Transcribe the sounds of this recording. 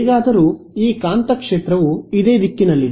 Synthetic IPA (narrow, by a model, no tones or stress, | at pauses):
iɡaːd̪ɐɾuː | iːkaːnt̪ɐkʂeːt̪ɾɐʋuid̪e̞ːd̪ikːinɐlːi